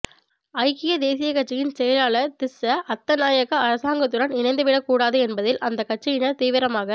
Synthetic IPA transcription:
ɐɪkɪjɐd̪eːsɪjɐkɐʈ̚t͡ʃːɐjɪnsɛjɐlaːɭɐt̪ɪsɐʔɐt̪ːɐnaːjɐɣɐɐɾɐsaːŋɡɐt̪ːɯɽɐnɪnɐɪnd̪ɯʋɪɽɐkːuːɽaːðɯɛnbɐðɪlʔɐnd̪ɐkːɐʈ̚t͡ʃɪjɪnɐɾt̪iːʋɪɾɐmaːɣɐ

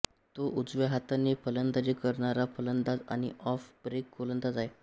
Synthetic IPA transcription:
t̪oʔud͡zʋeɦat̪anːepʰələnd̪ad͡ʑikəɾɳaɾapʰələnd̪ad͡za̰ɽ̃ḭʔɔfbɾekːolənd̪ad͡zae

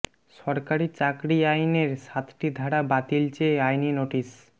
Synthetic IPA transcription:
ʃɔɾkaɾit͡ɕakɾiajneɾʃat̪ʰʈid̪ʱaɽabat̪ilt͡ɕeajninoʈis

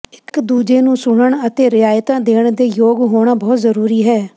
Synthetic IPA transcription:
ɪkd̪uːd͡ʒeːnũːsʊɳəɳət̪eːɾɪaːjt̪ãːd̪eːɳd̪eːjoːɡɦoːɽ̃aːbɔːt̪zəɾuːɾiːɦɛː

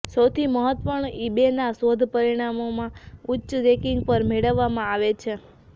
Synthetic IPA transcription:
səwt̪ʰiməɦət̪pəɳibenasod̪ʱpəɾiɽ̃amomãutːʃɾekiŋɡpəɾmeɭəʋːamãaʋet͡ʃʰe

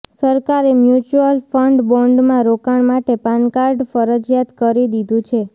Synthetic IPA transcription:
səɾkaɾemjut͡ʃuəlfəɳɖbɔɳɖmãɾokaɳmaʈepankaɾɖfəɾəd͡ʒjat̪kəɾid̪id̪ũt͡ʃʰe

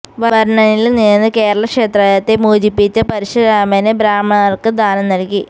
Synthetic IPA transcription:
ʋɐʋɐɾɳɐnilniːnːɨke̞ːɾɐɭɐkʂe̞ːt̪rɐjat̪ːemuːd͡ʑipːit͡ɕːɐpɐɾiɕɐɾaːmɐnɨbɾaːmɐrkɨd̪ʱaːnɐmnɐɻikːi

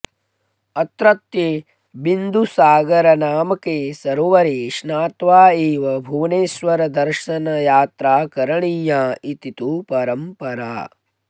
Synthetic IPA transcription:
ɐt̪ɾɐt̪je | bind̪ʱusaːɡɐɾɐnaːmɐkeːsɐɾʋɐɾiːʃnaːt̪ʋaːeːʋɐbʱuːneːsʋɐɾɐd̪ɐɾʃɐnɐjaːt̪ɾaːkɐɾɐɳijaːit̪it̪upɐɾɐmpɐɾa̰ː

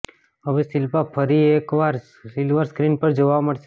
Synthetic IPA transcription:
əʋesɪlpapʰəɾiekʋaɾ | sɪlʋəɾskɾinpəɾd͡ʒoʋaməɽse

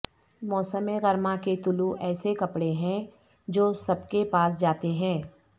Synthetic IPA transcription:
mɔːsəmeɣɐɾmãket̪ʊluʔɛːsekɐpɽeɦɛ̃ | d͡ʒoːsɐbkepaːs̬d͡ʒaːt̪eɦɛ̃ː

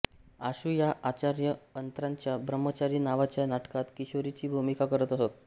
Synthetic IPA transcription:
aɕuːjaʔat͡ɕaɾjəənt̪ɾãɲt͡ɕjabɾəmːət͡ɕaɾiːnaʋat͡ɕjanaʈkat̪kiɕoɾit͡ɕiːbʱumikakəɾət̪əsot̪̚

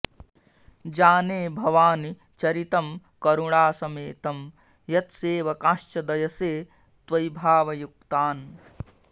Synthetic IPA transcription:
d͡ʒaːneːbʱɐʋaːni | t͡ʃɐɾit̪ɐm | kɐɾuɽaːsɐmeːt̪ɐm | jɐt̪seːʋɐkaːʃt͡ʃɐd̪ɐjɐseː | t̪ʋɐjbʱaːʋɐjuk̚t̪aːn

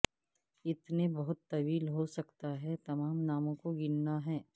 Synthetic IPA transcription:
ɪt̪nebɐɦʊt̪ːɐʋiːlɦosɐkt̪aɦɛt̪ɐmaːmnaːmõkoɡɪnnaɦɛː

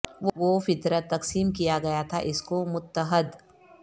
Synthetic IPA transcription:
ʋoʋofɪt̪ɾət̪ːɐqsiːmkijaɡɐjat̪ʰaʔɪskomʊt̪ːəɦəd̪

